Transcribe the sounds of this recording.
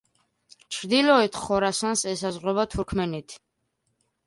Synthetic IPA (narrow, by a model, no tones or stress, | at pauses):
t͡ʃʰɾd̪ilɔɛt̪ʰχɔɾasansɛsazʁwɛbat̪ʰuɾkʰmɛnit̪ʰ